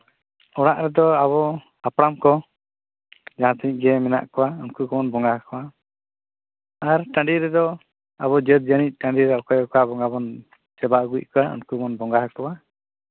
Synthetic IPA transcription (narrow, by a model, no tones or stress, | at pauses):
ɔɽ̃aʔɾɛd̪ɔaβɔ | apɽamkɔ | d͡ʒaɦãt̪iɲɡɛmɛna̰ʔkɔwaunkukɔmɔnbɔŋɡahakɔwa | aɾʈãɳɖiɾɛd̪ɔ | aβɔd͡ʒət̪̚d͡ʒañic̚ˀʈãɳɖiɾɛɔkɔjɔkɔabɔŋɡabɔn | sɛbaɡuic̚ˀkɔwaṵnkumɔnbɔŋɡaɦakɔwa